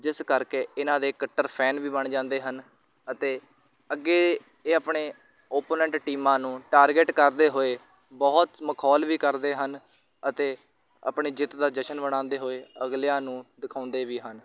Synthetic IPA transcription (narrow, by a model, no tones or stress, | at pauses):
d͡ʒɪskəɾkeːɪnãːd̪eːkəʈːəɾpʰɛːnʋiːbəɳd͡ʒãːnd̪eːɦən | ət̪eː | əɡːeː | eːəpɳeː | oːpoːnɛ̃ːɳʈʈiːmãːnũːʈaːɾɡeːʈkəɾd̪eːɦoːeː | bɔːt̪məkʰɔːlʋiːkəɾd̪eːɦən | ət̪eː | ə̰pɳeːd͡ʒɪt̪d̪aːd͡ʒəʃənbəɽ̃ãːnd̪eːɦoːeːəɡljãːnũːd̪ɪkʰaːʊ̃nd̪eːʋiːɦən